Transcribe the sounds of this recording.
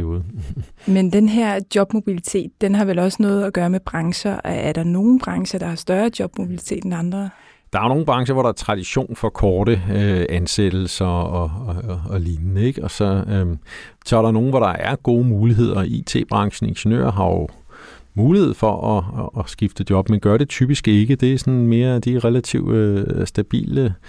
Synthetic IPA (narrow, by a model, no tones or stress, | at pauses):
o̝ːðˠmend̥enɦeɐ̰d̥jɒ̽b̥mo̝b̥ilit͡sʰe̝̰ːd̥ːenɦɑ̈ʋelɒ̽sənɔ̽ːð̩ˠæɡ̥ɶːɐmeb̥ʁɑ̈ŋɕɐʔæɐɾ̥ɑ̈no̝ːn̩b̥ʁɑ̈ŋɕɐd̥ɑ̈hɑ̈sd̥ɶɐd̥jɒ̽b̥mo̝b̥ilit͡sʰe̝̰ːd̥enɑ̈nd̥ʁɐ | d̥ɑ̈æɐno̝ːn̩b̥ʁɑ̈ŋɕɐʋɒɾ̥ɑ̈æɐt͡sʰʁɑ̈d̥iɕo̝̰ːnfɒ̽kʰɒːɾ̥əøænsed̥l̩sɐɒː | liːnnəeɡ̥ɒ̽sɒ̽ | t͡sʰɑːɾɑ̈no̝ːn̩ʋɒɾɑ̈ʔæɐɡ̥o̝ːmuːliɦe̝ð̞̰ˠɐḭt͡sʰe̝̰ːb̥ʁɑ̈ŋɕn̩e̝nɕonø̰ːɐɦɑ̈jomuːlihe̝ð̞̰ˠfɒʔɒːsɡ̥ifd̥əd̥jɒ̽b̥menɡ̥ɶɐɾe̝t͡sʰyb̥isɡ̥e̝ɡ̥əd̥e̝sɒ̽nme̝ːɐæd̥iʁɛlæt͡sʰḭʊøsd̥æb̥ḭːlə